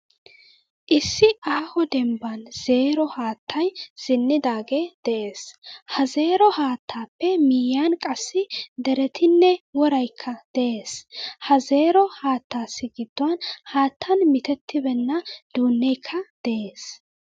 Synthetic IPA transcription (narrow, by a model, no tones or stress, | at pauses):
ʔɪsːɪʔaːhɔd̪ɛmbɐnz̥e̞ːɾɔhaːt̪ːɐjz̥ɪnːɪd̪aːɡeːd̪̥ɛʔe̞ːshɐze̞ːɾɔhaːt̪ʰːaːpːɛmiːjankʼɐsːɪd̪ɛɾɛt̪ɪnːɛwɔɾɐjkʰːɐd̪̥ɛʔe̞ːshɐze̞ːɾɔhaːt̪ːaːsːɪɡɪd̪̥ːʊwɐnhaːt̪ʰːɐnmɪt̪ɛt̪ːɪbɛnːɐd̪̥uːnːɛjkʰːɐd̪̥ɛʔe̞ːs